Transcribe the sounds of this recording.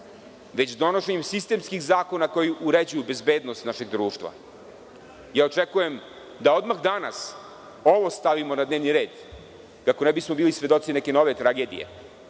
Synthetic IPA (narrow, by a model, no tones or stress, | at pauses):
ʋet͡ɕd̪o̞noʃeɲemsist̪e̞ːmskixzaːko̞nako̞juʔuɾed͡ʑujube̞zbeːd̪nost̪naʃeɡd̪ɾuːʃt̪ʋa̰ | jaːot͡ʂekuje̞m | d̪ao̞d̪maxd̪ana̰s | o̞ʋo̞st̪aʋimo̞nad̪neːʋniɾe̞ːd̪ | kako̞nɛbismobiːlisʋe̞d̪o̞t̪sinɛke̞no̞ʋet̪ɾaɡe̞ːd̪ḭḛ